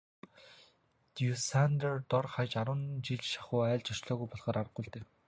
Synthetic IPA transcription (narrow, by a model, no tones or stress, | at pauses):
t̪jusant̪ert̪ɔrχajt͡ɕaɾwə̆nt͡ɕiɮʃḁχʊːæːɮt͡ɕʰɔʃɮɔːɣujpɔɮχɔːɾaɾə̆qːʊːɮt̪eːw